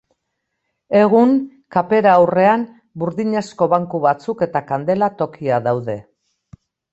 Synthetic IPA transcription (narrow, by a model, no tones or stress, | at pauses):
e̞ɣ̞uŋ | kape̞ɾaːwre̞am | buɾðiɲesko̞βaŋkuβat͡suke̞t̪akand̪e̞lat̪o̞kiaðawðe̞